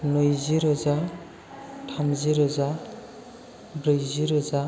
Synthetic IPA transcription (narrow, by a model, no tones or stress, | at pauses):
nɯjziɾɔza | tʰamziɾɔza | bɾɯjziɾɔza